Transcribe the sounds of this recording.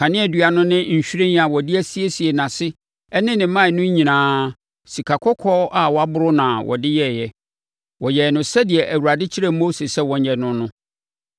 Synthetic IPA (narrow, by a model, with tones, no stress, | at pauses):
kʰã˨nɪ̃˦ɛ˨dɥa˨nʊ̃˦nɪ̃˦ɲ̩˨ɕᶣɾẽ˦n˦a˨wɔ˨dɪ˦æ˦si˦e˦si˨e˨nã˨sɪ˦ | ɛ˦nɪ̃˦nɪ̃˨mã˦˨nʊ̃˦ɲ˦ɲĩ˨nãː˦ | si˨kʰa˨kʰɔ˦kʰɔ˦ʔa˦wɔ˨˦a˦bʊ˦ɾʊ˦nã˨wʔɔ̰˨dɪ˦jɛ˦˨jɛ˦ | wɔ˨jɛ˨nʊ̃˨sɛ˦di˨ɛ˨ʔæ˨wu˨ɾa˨dɪ˦t͡ɕʰi˦ɾɛ˦mo˦se˨sɛ˦wɔ̃˨ɲ˦˨ɛ˨nʊ̃˦nʊ̃˦